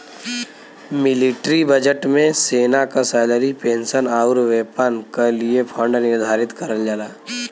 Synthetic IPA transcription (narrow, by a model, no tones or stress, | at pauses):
mɪlɪʈɾibəd͡ʒəʈmẽseːnakasɛːləɾipẽːnsənaːʊɾʋeːpaːnkeliepʰãːɳɖnɪɾd̪ʱaːɾɪt̪kəɾəld͡ʒaːlaː